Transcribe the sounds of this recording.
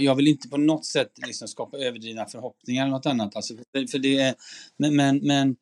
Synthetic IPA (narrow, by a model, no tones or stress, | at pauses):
jɑːɡvɪlɪnt̪ə̥pʰɔnɔt̪ːsɛt̪ːlɪksɔmskɑːpaøːvəɖiːvnafœɾɦɔpnɪŋaɾɛlnɔt̪anːat̪ʰalsɔfœfœɖɛɾmɛmɛnmɛn